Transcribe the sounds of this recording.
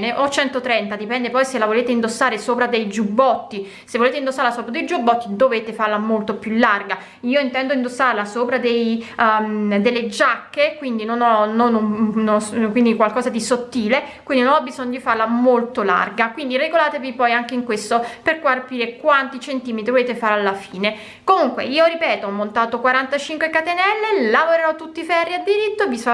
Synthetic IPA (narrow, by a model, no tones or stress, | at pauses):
neʔot͡ʃɛnt̪ot̪ɾɛnt̪ad̪ipɛnd̪epɔjselavoleːt̪eind̪osːaːɾesoːpɾad̪ejd͡ʒubːɔt̪ːi | sevːoleːt̪eind̪osːaɾlasoːpɾad̪ejd͡ʒubːɔt̪ːid̪oveːt̪efaɾlamolt̪opjulːarɡa | iːoint̪ɛnd̪oind̪osːaɾlasoːpɾad̪ej | d̪elːed͡ʒakːekwind̪inonɔnonunokwind̪ikwalkɔːzad̪isot̪ːiːlekkwind̪inonɔbːizɔɲːod̪ifarlamolt̪ola̰rɡakwind̪ireɡolaːt̪evipɔjaŋk̟eiŋkwest̪operkwarpiːɾekwant̪it͡ʃent̪iːmet̪ɾivoleːt̪efaːɾealːafiːne | komuŋkwḛiːoɾipɛːt̪oɔmːont̪aːt̪okwaɾant̪at͡ʃiŋkwekat̪enɛlːelavoɾeɾɔt̪ːut̪ːifɛrːiad̪iɾit̪ːovis